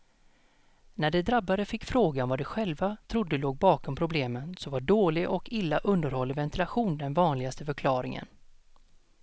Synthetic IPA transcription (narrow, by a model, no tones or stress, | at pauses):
næɖɛd̪ɾabːaɾəfɪkːfɾoːɡanvaɖɛɧɛlvat̪ʰɾʊd̪ːəloːɡ̚bɑːkɔmpʰɾʊbleːmənsɔvaɖoːlɪɡʔɔkʰɪlːaʔɵnd̪əɾhɔlːəvɛnt̪ɪlaɧuːnd̪ɛnvɑːnlɪɡast̪əfœɾkʰlɑːɾɪŋə̰n